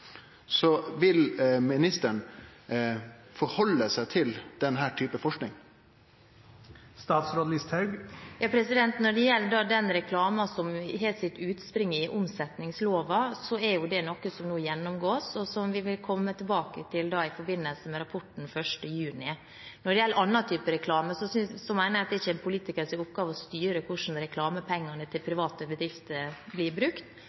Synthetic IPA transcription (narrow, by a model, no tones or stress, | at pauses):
sɔʋɪlmɪnɪst̪əɳ | fɔɾhɔlːəsæɪt̪ʰɪld̪̥ɛnɦæːʈʰyːpəfɔʂknɪŋ | st̪ɑːt̪sɾoːd̪lɪst̪hɑʉɡjɑːpʰɾɛsɪd̪ɛnt̪nɔɖɛjɛlːəɖɑːd̪ɛnɾɛkʰlɑːmɑsɔmɦeːlt̪sɪt̪ːʉːt̪spɾɪŋːəɪʔʊmsɛt̪nɪŋsloːʋɑsɔɛɾjʊd̪ɛnɔkːəsɔmnuːjɛnːʊmɡoːsɔsɔmʋɪʋɪlkʰɔmːət̪ʰɪlbɑːkət̪ʰɪld̪ɑːɪfɔɾbɪnːəlsəmɛɾɑpʰɔʈːn̩fœʂʈəjʉːnɪ | nɔɖɛjɛlːəɾʔɑnːɑt̪ʰyːpəɾɛkʰlɑːməsɔsʏsɔmæɪnəɾɑt̪d̪ɛɾɪçːəɛnpʰʊliːt̪ɪkəɾsɪʊpːɡɑːʋəɔst̪yːɾəkʰʊʂn̩ɾɛkʰlɑːməpʰɛŋːɑnət̪ʰɪlpʰɾɪʋɑːt̪əbəd̪ɾɪft̪əɾblɪːɾbɾʉkt̪